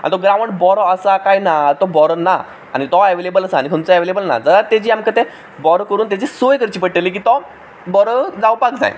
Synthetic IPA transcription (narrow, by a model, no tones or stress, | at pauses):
a̰nit̪ɔɡɾaʋəɳʈbɔɾɔəsakajnat̪ɔbɔɾɔna | a̰ñit̪ɔɛʋelebələsaːñikʰənt͡səɛʋelebəlna̰d͡zəɾat̪ed͡ʑiːamkət̪e | bɔɾɔkəɾuːnt̪ad͡ʑisojkəɾt͡ɕiːpəɽʈelik̬iːt̪ɔ | bɔɾəd͡zawpak̚d͡za̰j̰